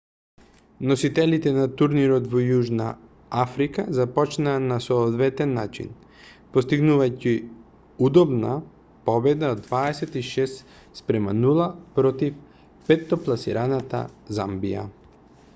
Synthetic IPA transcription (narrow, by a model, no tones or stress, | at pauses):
nɔsit̪ɛlit̪ɛnat̪uɾniɾɔt̪vɔjuʒna̰ | afɾikazapɔt͡ʃnaːnasɔːd̪vɛt̪ɛnːat͡ʃḭn | post̪iɡnuvajci | ud̪ɔbna | pɔbɛd̪aod̪vaɛsɛt̪iʃɛs | spɾɛmanulˠapɾɔt̪if | pɛt̪ːɔplˠasḭɾanat̪a̰za̰mbija̰